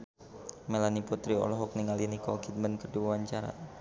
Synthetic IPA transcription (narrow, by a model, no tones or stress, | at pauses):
melaniput̪ɾiɔ̰lɔɦɔk̚niŋalinikɔɡid̪̚mənkəduwawaɲt͡ʃaɾa̰